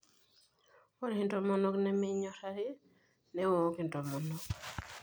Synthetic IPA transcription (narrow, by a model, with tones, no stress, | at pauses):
wɔ˦ɾhɪ˦ntɔmɔ˦nɔ˦knɛmɛ˦ɲɔ˦ɾa˦ɾɪ˦ | nɛ˦wo˨˦ki˨ntɔ˨mɔ˨nɔ˨k